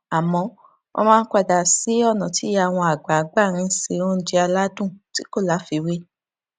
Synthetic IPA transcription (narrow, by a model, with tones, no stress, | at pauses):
a˨mɔ̃˧ | o̰˧mãː˦kʷa˧da˨si˨˦ɔ˦˨nɔ̃˨ti˨˦ja˦˨w̃ɔ̃˧a˨ɡ͡ba˨˦ɡ͡ba˦˨ɾ̃ĩ˧˦se˧˦õ˦d͡ʒi˧a˧la˦dũ˦˨ti˨˦ko˦˨la˨˦fi˧we˦